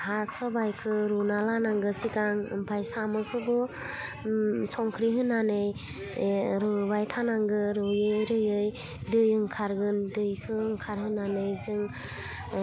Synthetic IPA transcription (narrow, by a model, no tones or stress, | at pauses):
hasɔbajkʰɯɾunalanaŋɡɯsikaŋɯ̰mpʰajsamɯkʰɯbɯ | sɔŋkʰɾiɦɯnːanɯj | ɾɯbajtʰanaŋɡɯɾɯjɯjɾɯjɯj | dɯjɯŋkʰaɾɡɯndɯjkʰɯŋkʰaɾɦɯnanɯjzɯŋ